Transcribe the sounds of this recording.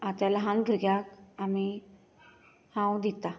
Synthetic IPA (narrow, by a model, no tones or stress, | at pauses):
at̪jalaɦãnɡʱəɾɡjakami | hãwd̪it̪a